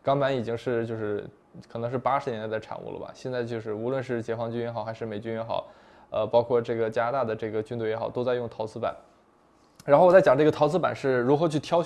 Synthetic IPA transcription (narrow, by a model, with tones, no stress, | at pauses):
kɑ˥ŋpa˧˥ni˨˩t͡ɕi˥ŋʂɻ̩˥˧t͡ɕjo˥˧ʊʂɻ̩˥˩ | kʰɤ˨˩nɤ˧˥ŋʂ̬ɻ̩˥˩pa˥ʂɻ̩˧˥njɛ˧˥nt̪a˥˩ʈ͡ʂʰa̰˨˩nṵ˥˩lə̰bɐ̰˩ɕjɛ˥˧nt͡sa˥˧ɪt͡ɕjo˥˧ʊʂɻ̩˥˩u˧˥lwə˥˧nʂɻ̩˥˩t͡ɕjɛ˧˥xwɑ˧˥ŋt͡ɕy˥njɛ˧˥xɑ˨˩ʊxa˧˥ɪʂɻ̩˥˩me˨˩ɪt͡ɕy˥njɛ˧˥xɑ̰˨˩˦ʊ | ə˧pɑ˥ʊkʰwɔ˥˩ʈ͡ʂɤ˥˩ɡə˩t͡ɕja˥na˧t̪a˥˩d̪ə˩ʈ͡ʂɤ˥˩ɡə˩t͡ɕy˥nt̪we˥˩ɪjɛ˧˥xɑ˨˩t̪o˥t͡sa˥˧ɪjʊ˥˩ŋt̪ʰɑ˧˥ʊt͡sʰɹ̩˥pa̰˨˦n | a˧˥nxwɔ˨˩t͡sa˥˩jʈ͡ʂɤ˥˩ɡə˩ɑ˧˥t͡sʰɹ̩˥pa̰˨˩nʂɻ̩˥˩ɻu˧˥xɤ˧˥t͡ɕʰy˥˩t̪ʰjɑ˥ʊ